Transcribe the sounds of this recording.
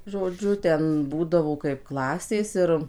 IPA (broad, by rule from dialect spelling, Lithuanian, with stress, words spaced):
ʒoːˈd͡ʒʲʊ ˈtʲɛn ˈbuːdɐʋoː kɐɪp ˈklˠɑːsʲeːs ˈɪr